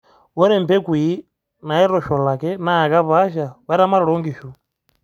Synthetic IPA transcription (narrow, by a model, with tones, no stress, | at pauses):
wɔ˦ɾɛ˨m̩˨pɛ˦kwi˨˦ | na˨jɛ˦ɾɔ˨ʃɔ˨la˨kɛ˦na˦˨ka˦βa˦ʃa˨βa˦ɾa˦ma˦ɾɺɔ˦ŋɡi˨ʃu˨